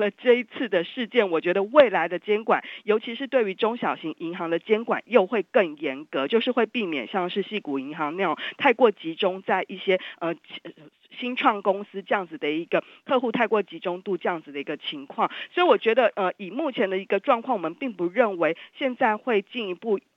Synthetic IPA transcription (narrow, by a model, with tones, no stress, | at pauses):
lə˨ʈ͡ʂə˥˧i˧˥t͡sʰɹ̩˥˩d̪ə˩ʂɻ̩˥˧t͡ɕjɛ˥˩nwɔ˨˩t͡ɕɥɛ˧˥d̪ə˧we˥˩ɪla˧˥ɪd̪ə˧t͡ɕjɛ˥nkwa˨˩njo˧˥ʊt͡ɕʰi˧˥ʂɻ̩˥˧t̪we˥˩ɪy˧˥ʈ͡ʂʊ˥ŋɕjɑ˨˩ʊɕi˧˥ŋʔi˧˥ŋxɑ˧˥ŋd̪ə˨t͡ɕjɛ˥nkwa̰˨˩njo˥˧ʊxwe˥˧ɪkə˥˩ŋjɛ˧˥nkɤ˧˦t͡ɕjo˥˧ʊʂɻ̩˥˧xwe˥˧ɪpi˥˩mjɛ̰˨˩nɕjɑ˥˧ŋʂɻ̩˥˧ɕi˥˩ku˨˩i˧˥ŋxɑ˧˥ŋna˥˧ʊ˨˩ŋt̪ʰa˥˧ɪkwɔ˥˩t͡ɕi˧˥ʈ͡ʂʊ˥ŋt͡sa˥˧ɪʔi˥˩ɕjɛ˥ə˧˩ | ɕi˥nʈ͡ʂʰwɑ˥˩ŋkʊ˥ŋsɹ̩˥ʈ͡ʂɤ˥jɑ˥˩ŋd͡z̩˨˩d̪ə˩i˧˥ɡ̥ə˧ | t̪ʰɤ˥˧xu˥˧t̪ʰa˥˧ɪkwɔ˥˩t͡ɕi˧˥ʈ͡ʂʊ˥ŋt̪u˥˧ʈ͡ʂɤ˥jɑ˥˩ŋd͡z̩˩d̪ə˩i˧˥ɡə˧t͡ɕʰi˧˥˦ŋkʰwɑ˥˩ŋswɔ˧˥i˨˩wɔ˨˩t͡ɕɥɛ˧˥d̪ə˧ʔə˧i˨˩mu˥˩t͡ɕʰjɛ˧˥nd̪ə˨i˧˥ɡə˧ʈ͡ʂwɑ˥˧ŋkʰwɑ˥˩ŋwɔ˨˩mə˨npi˥˩ŋpu˧˦ɻə˥˩nwe˧˥ɪɕjɛ˥˧nt͡sa˥˧ɪxwe˥˧ɪt͡ɕi˥˩ni˧pu˥˩